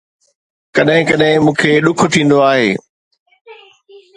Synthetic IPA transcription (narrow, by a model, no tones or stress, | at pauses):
kɐɗɦɪ̃kɐɗɦɪ̃mũːkʰeːɗʊkʰʊ̆t̪ʰĩːn̆d̪oaːɦeː